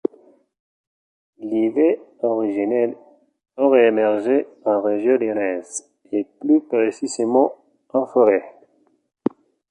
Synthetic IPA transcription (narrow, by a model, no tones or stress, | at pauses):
liveɔʁiʒinɛl | oʁɛːmɛʁʒeɑ̃ʁeʒjɔ̃ljɔnɛz | eplypʁesizemɑ̃ | ɑ̃fɔʁɛ